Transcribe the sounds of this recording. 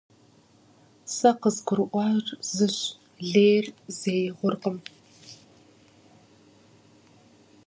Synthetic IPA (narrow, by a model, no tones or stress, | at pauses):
sɐqəzɡʷʊɾʔʷɑːrzɨɕ | ɮeːrzeːjʁʷʊrqəm